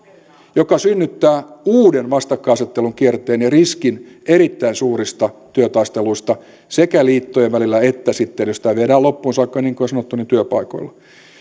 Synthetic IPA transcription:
jokɑsynːyt̪ːæːuːdenʋɑst̪ɑkːɑːɑset̪ːeluŋkiert̪eːnɑriskineɾit̪ːæinsuːrist̪ɑt̪yøt̪ɑist̪eluist̪ɑ | sekæliːt̪ːojeʋʋælilːæet̪ːæsit̪ːenjosit̪æʋeɾæːlopːuːnsɑikːɑniːŋkoosɑnot̪ːunint̪yøpɑiko̰ilːɑ

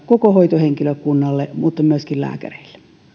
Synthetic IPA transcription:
kokohoˑit̪oheŋkiløkkunːɑlːemuːt̪ːɑmyøskillæ̰ːkæ̰reilːe̥

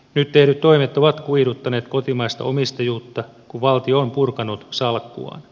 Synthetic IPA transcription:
nyt̪ːehnyt̪t̪oimet̪oʋɑt̪kuidut̪ːɑne̞ːt̪kot̪imɑist̪ɑ̰ʔomist̪ɑjuːt̪ːɑ | kuʋɑlt̪ioːmpurkɑnːut̪sɑlkːṵɑ̰ːn

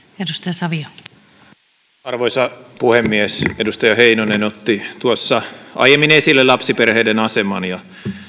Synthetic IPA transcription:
edust̪ɑjɑsɑʋio | ɑrʋoisɑpuhemːiæsedust̪ɑjɑheinonenot̪ːit̪uosːɑʔɑ̰jemːinesilːelɑpsiperheːdenɑsemɑnjɑ

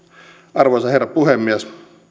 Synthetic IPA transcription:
ʔɑrʋosɑherːɑpuhemːiæs

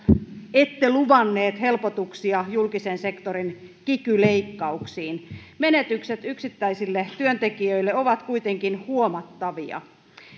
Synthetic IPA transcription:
et̪ːeluʋɑnːeːt̪he̞lpot̪uksiɑjulkisense̞kt̪oɾinkikyleikːɑuksiːnmenet̪ykset̪yksit̪ːæisilːet̪yønt̪ekiøilːeoʋɑt̪kuit̪eŋkinhuomɑt̪ːɑʋiɑ̰

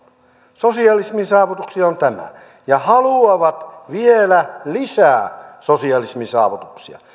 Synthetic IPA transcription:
sosiɑlisminsɑːʋut̪uksiɑont̪æmæ̰ | jɑhɑluɑʋɑt̪ʋielælisæːsosiɑlismisɑ̰ːʋut̪uksiɑ̰

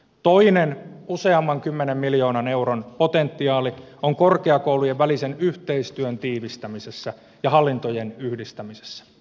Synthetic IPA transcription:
t̪oinenuseɑmːɑŋkymːenemmiljo̞ːnɑne̞uronpot̪ent̪ːiɑːlioŋkorkeɑkoulujeʋʋælisenyht̪eist̪yønt̪iːʋist̪æmisesːæ | jɑhɑlːint̪ojenyhdist̪æmise̥sːæ̥

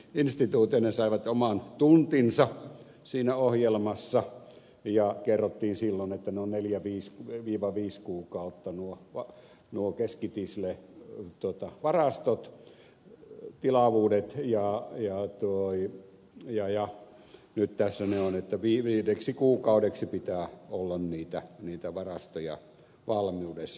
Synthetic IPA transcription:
inst̪it̪uːt̪iɑnesɑiʋɑt̪omɑnt̪unt̪insɑ | siːnæohjelmɑsːɑ | jɑkerːot̪ːiːnsilːonet̪ːæneonneljæʋiːskʋiːʋɑʋiːskuːkɑˑut̪ːɑnuoʋɑ | nuokeskit̪islet̪uot̪ɑʋɑrɑst̪ot̪ | t̪ilɑʋuːdet̪jɑjɑt̪oi | jɑjɑ | nyt̪t̪æsːæneonet̪ːæʋiːʋiːdeksikuːkɑudeksipit̪æːolːɑnniːt̪æniːt̪æʋɑrɑst̪ojɑ̰ | ʋɑlmiudesːɑ

